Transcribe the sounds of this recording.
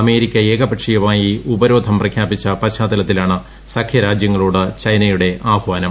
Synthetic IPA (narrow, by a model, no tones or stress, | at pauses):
ɐme̞ːɾikʲːɐeːɡɐbɐʈʂijɐʋaːjiubɐɾo̞ːd̪ʱɐmprɐkʰjaːpit͡ɕːɐpɐɕaːd̪ɐlɐt̪ːilaːɳɨ | sɐkʰjɐɾaːd͡ʑjɐŋːɐɭuːɽɨt͡ɕɐjnɐjuɽe̞ʔaːhʋaːnɐm